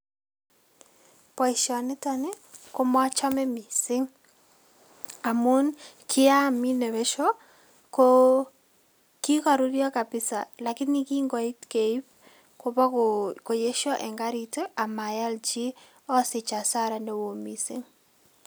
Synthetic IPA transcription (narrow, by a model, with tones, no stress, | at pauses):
pɔ˨i˨ʃɔ˨nɪ˦tɔ˦ne˦ | ko˦ma˦t͡ʃɔ˦mɛ˦mi˨sɪ˦ŋ | a˨mu˦nkʰɪ˦a˦mi˦ne˨βɛ˦ʃɔ˦ | ko | ki˦kɔ˨ɾu˦ɾjɔ˦ka˨pɪ˦sa̰˨la˨kɪ˦nːi˦ki˦ŋɡɔ˨i˦tke˨i˦p̚ | ko˦pɔ˦ko˨je˦ʃɔ˦ʔɛ˨ŋɡa˦ɾi˨te˦ʔa˨ma˨ja˦ld͡ʒi˦ | ɔ˦sɪ˨t͡ʃa˨sa˦ɾa˨ne˦wo˨mi˨sɪ̰˦ŋ